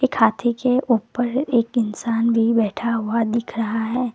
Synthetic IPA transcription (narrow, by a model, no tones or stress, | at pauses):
ekʰaːt̪ʰikeʔuːpəɾeːkɪnsaːnbʱibɛːʈʰaɦʊad̪ɪkʰɾɐɦaɦɛː